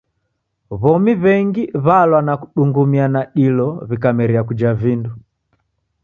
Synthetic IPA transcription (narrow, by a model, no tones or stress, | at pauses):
βɔmiβɛŋɡiβalwanaku̥ɗuŋɡumianaɗilɔβikamɛɾiakud͡ʒavindu